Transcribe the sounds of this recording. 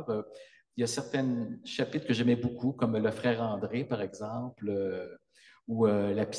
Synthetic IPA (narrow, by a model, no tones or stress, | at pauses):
ʁø | jasɛʁt̪ɛnʃapɪt̪χkəʒɛmɛbokʰukɔmləfχɛːʁɑ̃d̪ʁepaʁɛɡzɑ̃plø | uølapi̥